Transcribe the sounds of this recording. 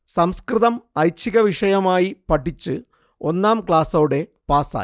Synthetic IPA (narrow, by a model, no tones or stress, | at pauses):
sɐmskrɨðɐmɐjt͡ɕʰːiɣɐʋiʂɐjɐmaːjipɐʈʰːit͡ɕːɨ | o̞nːaːmkɭaːsɐuɽe̞paːsa̰ː